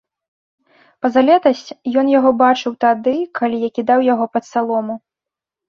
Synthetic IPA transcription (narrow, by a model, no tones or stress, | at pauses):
pɐzalʲɛt̪ɐsʲt͡sʲjɔnjaɣɔbat͡ʂɨwt̪ad̪ɨkʰalʲijakʲid̪awjaɣɔpɐt̪salˠɔmu